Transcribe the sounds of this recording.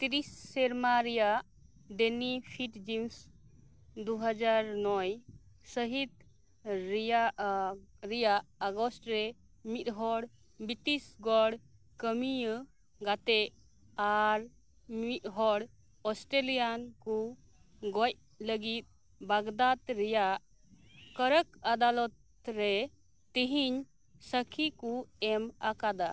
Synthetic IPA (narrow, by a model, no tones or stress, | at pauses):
t̪iɾisːɛɾmaɾɛjaʔ | ɖɛnipʰiʈd͡ʒims | d̪uɦad͡ʒaɾnɔjsəɦit̪ | ɾa | ɾɛjaʔaɡɔsʈɾɛ | mit̪̚ɦɔɽ | bitisɡɔɽ | kəmiə | ɡat̪ɛʔ | aɾ | mit̪̚ɦɔɽ | ɔsʈɾelijanku | ɡɔc̚ | ləɡit̪̚ | baɡd̪at̪ɾɛjaʔ | kəɾəkad̪alɔt̪ | ɾɛ | t̪iɦiɲ | səkʰikuɛmakad̪a